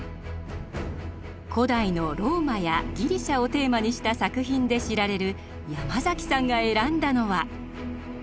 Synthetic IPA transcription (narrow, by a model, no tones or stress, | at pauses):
kʰo̞d̪aino̞ɾo̞ːmajaɡʲiɾʲiɕao̞t̪e̞ːmaɲ̟iɕi̥t̪asakɯ̟çĩnd̪e̞ɕiɾaɾe̞ɾɯ̟ | jamazakʲi̥sãŋɡae̞ɾãnd̪ano̞βa